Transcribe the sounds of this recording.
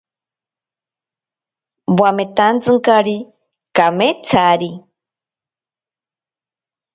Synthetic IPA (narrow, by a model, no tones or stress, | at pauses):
bwamet̪ant͡sɨŋkaɾi | kamet͡sʰaɾi